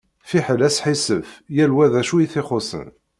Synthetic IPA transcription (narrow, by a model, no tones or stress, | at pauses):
fiħəlæsħisəfjælwæðæʃujiθɪχosə̰n